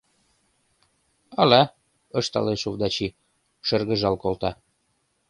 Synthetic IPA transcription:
ɑlæ | ɤ̆ʃt̪ɑ̰leʃovd̪ɑt͡ɕi | ʃə̆rɣə̆ʒɑlkolt̪ɑ

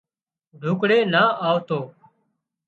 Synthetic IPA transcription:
ɖʱuːkɽeːnaːʔaːʋt̪oː

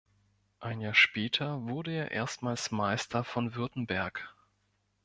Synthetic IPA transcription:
ʔaɪnjaːɐʃpɛːtʰɐvʊɐdəeːɐʔḛːɐstmaːlsmaɪstʰɐfɔnvʏɐtn̩bɛɐk

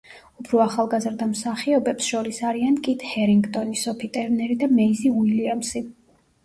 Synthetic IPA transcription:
upʰɾɔaχalˠɡazɾd̪amsaχiɔbɛpsʃɔɾisaɾiankʼit̪ʰhɛɾiŋɡt̪ʼɔnisɔpʰit̪ʼɛɾnɛɾid̪amɛiziuiliamsi

